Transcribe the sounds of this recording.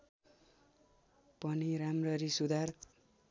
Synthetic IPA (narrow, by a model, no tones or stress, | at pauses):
pʌniɾamrʌɾisud̪ar